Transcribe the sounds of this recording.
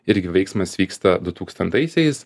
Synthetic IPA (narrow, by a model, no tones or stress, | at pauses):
ɪɾʲɡʲɪʋɛɪksmɐsʋʲiːkst̪ɐd̪ʊt̪uːkst̪ɐnt̪ɐɪsʲɛɪs